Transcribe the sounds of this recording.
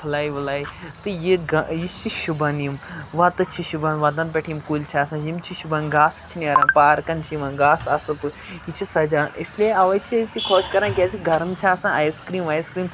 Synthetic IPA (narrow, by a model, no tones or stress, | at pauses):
pʰulaːjiʋulaːj | t̪ɨjiɡɐjist͡ʃʰiʃubanijm | ʋat̪ɨt͡ʃʰiʃubanʋad̪ɐ̃npʲɐʈʰijimkuːlʲt͡ʃʰaːsãːjimt͡ʃʰiʃubɐnɡaːst͡ʃʰiniɐɾãːpaːɾkɐnt͡ʃʰiʋɐ̃nɡaːsɐsɐt̪ɨ | it͡ʃʰisɐd͡ʒaːʔislieɐʋɐt͡ʃʰisikʰoːskɐɾãnɡʲaːsiɡɐɾɐmt͡ʃʰaːsãːʔajskɾiːmʋaːjskɾiːm